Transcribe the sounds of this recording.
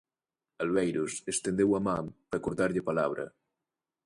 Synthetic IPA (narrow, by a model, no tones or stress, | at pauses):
alβejɾusest̪end̪ewamãpɾakuɾðaɾʎepalaβɾɐ̰